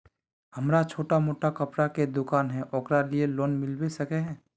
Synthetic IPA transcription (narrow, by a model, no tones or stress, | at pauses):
hɐmɾat͡ʃʰoːʈamoːʈakɐpɾaked̪ʊkaːnɦɛ̃ʔɔːkɾalieloːnmɪlbesɐkeɦɛ̃ː